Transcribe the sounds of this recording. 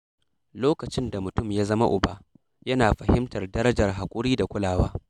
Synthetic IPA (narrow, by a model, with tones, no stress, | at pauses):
loː˦kɐ˨t͡ʃɪ˦nda˨mʊ˨tʊ˦mjaː˦zɐ˦ma˦ʔʊ˨baː˦ | jɐ˦naː˨ɸɐ˨hɪ˦mtɐ˨rdɐ˦ɾɐ˦d͡ʒɐ˨rɦa˨kʷʼʊ˦ɽiː˦da˨kʷʼʊ˦laː˨waː˦